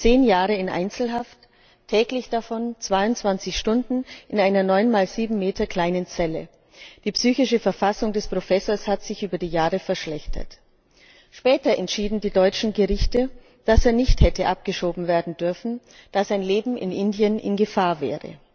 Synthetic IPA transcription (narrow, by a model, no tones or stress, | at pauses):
t͡seːnjaːʁəɪnʔa̰ɪnt͡sl̩ɦaft | tʰːɛːklɪçd̥afɔnt͡sv̥aɪʊntt͡sv̥ant͡sɪçʃtʊndn̩ʔɪnaɪnɐnɔʏnmaːlziːbm̩meːtɐkl̥aɪnənt͡sɛlə | d̥iːpsyːçɪʃəfɛɐfasʊŋdɛspʁ̥ofɛsoːɐshatz̥ɪçʔyːbɐdiːjaːʁəfɛɐʃlɛçtʰɐ̰t | ʃpɛːtɐʔɛntʃiːdn̩diːdɔʏt͡ʃn̩ɡəʁɪçtə | d̥aseːɐnɪçthɛtəʔap̚ɡ̥əʃoːbm̩veːɐdn̩dʏɐfn̩ | d̥az̥aɪnleːbm̩ʔɪ̰nʔɪndijənʔɪ̰nɡəfaːɐvɛ̰ːʁə̰